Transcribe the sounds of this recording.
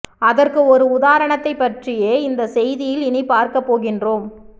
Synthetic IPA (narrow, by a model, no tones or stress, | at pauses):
ɐðɐrkɯɔɾɯʊðaːɾɐɳɐt̪ːɐɪpːɐʈrɪjeːɪnd̪ɐsɛjðɪjɪlɪnɪpaːɾkɐpːoːɣɪndroːm